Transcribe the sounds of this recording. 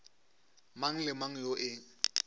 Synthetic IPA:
maŋ̩lɪmaŋ̩joʔɪ

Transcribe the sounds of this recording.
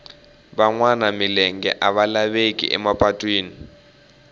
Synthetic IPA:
ɓaŋwanamilɛŋɡɛ̰ʔaβalaβekʼḭʔɛ̰mapʼatʼweːni

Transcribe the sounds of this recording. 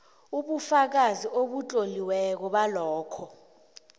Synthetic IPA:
uɓufak̬aziʔoɓut͡ɬʼoliwɛk̬ɔɓalɔːkʰɔ

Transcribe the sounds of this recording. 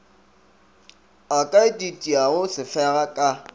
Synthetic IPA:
akʼaɪdʼitʼiaɣʊsɪfɛɣakʼa

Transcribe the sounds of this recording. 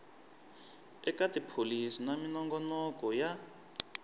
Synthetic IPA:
ɛkʼatipʰolisinaminɔŋɡɔnɔkɔja

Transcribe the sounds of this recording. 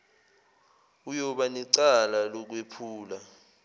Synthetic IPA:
ujɔɓaniǀalalɔk̬wepʰuːla

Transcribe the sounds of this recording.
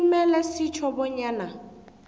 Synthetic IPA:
mɛlɛsit͡ʃʰɔbɔɲaːna

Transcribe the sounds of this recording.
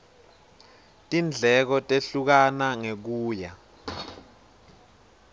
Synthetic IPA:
tʼind͡ɮʱɛk̬ɔtʼeɬuk̬anaŋek̬uːja

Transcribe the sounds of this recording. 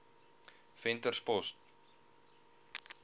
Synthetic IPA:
fɛntərspɔst

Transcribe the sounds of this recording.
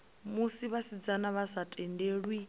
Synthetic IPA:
musiβasid͡zanaβasatʼɛndeːɺwi

